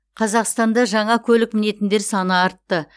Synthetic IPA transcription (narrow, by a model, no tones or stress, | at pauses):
qʰɑzɑqst̪ɑnd̪ɑʒɑɴɑkʲʰɵlɪkmɪne̞t̪ɪnd̪e̞ɾsɑnəɑɾt̪ːə